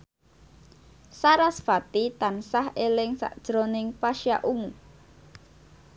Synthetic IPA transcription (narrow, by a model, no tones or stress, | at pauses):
saɾasfat̪it̪ansahelɪŋsa̰ʔd̥ʒ̥ɾonɪŋpaʃjaʔumu